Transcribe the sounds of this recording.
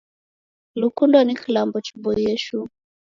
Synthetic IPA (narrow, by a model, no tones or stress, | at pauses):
lukundɔnikilambɔt͡ʃibɔjɛʃu